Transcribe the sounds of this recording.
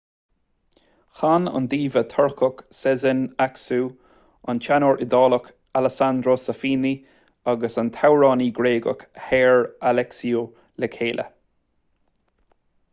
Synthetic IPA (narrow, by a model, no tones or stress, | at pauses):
xanə̰nd̪iːvət̪ʰɔɹkʰɔksɛzɪnaksuː | ant͡ʃanoɹʔɪd̪ɑːlək | aləsand̪ɾoːsafiːni | aɡəsənt̪ʰawɹɑːniːɡɾeːɡə̰khɛːɹalɛksio | lɛkʰeːlʔə̰